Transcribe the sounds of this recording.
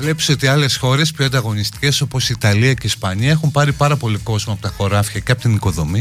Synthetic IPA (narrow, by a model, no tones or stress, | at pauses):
vle̞pseo̞t̪iɐle̞sxo̞ɾe̞spçoɐnd̪ɐɣo̞nist̪i̥ce̞so̞po̞sit̪ɐliɐce̞ispɐɲiɐe̞xumpɐɾipɐɾɐpo̞liko̞zmɐpot̪ɐxo̞ɾɐfçɐceɐpo̞t̪iniko̞ðo̞mi